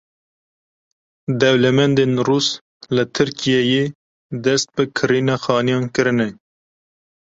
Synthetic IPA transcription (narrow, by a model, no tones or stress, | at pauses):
d̪ɛwlɛmɛnd̪enruːs | lɨt̪ʰɨɾkʰijɛje | d̪ɛst̪̚bɨkʰɨɾiːnɑːxɑːnijɑːnkɨɾɨnɛ